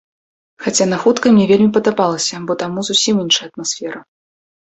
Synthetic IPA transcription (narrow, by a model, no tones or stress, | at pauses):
xat͡sʲanaxut̪kɐmnʲɛvʲelʲmʲipɐd̪abalˠɐsʲɐbɔt̪amuzusʲiminʂɐjɐt̪̚masfʲɛɾɐ